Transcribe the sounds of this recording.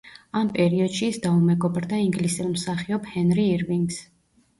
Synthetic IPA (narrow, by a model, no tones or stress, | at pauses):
ampʼɛɾiɔd̪̥ʃiːsd̪aumɛɡɔbɾd̪aiŋɡlisilmsaχiɔbhɛnɾiːɾviŋɡs